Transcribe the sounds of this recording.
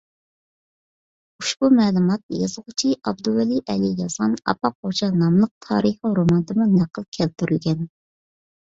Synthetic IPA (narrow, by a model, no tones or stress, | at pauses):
uʃbumɛːlˠumɑt̪̚jɑ̰zəʁʊt͡ʃʰiʔɑb̚d̪uɛliʔɛlijɑz̥ʁɑnɑ̰pɑq̚ʰot͡ʃʰɑnɑmlˠəq̚t̪ʰɑ̰ːɾəχəɾomɑnd̪ɨmunæqʰəlˠkʲʰɛlt̪yɾylɡʲɛn